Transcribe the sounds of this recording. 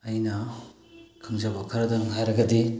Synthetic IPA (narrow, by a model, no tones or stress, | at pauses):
ɐjnɐ | kʰɯŋzabɐkʰɐɾɐdɐŋɦajɾɐɡɐdi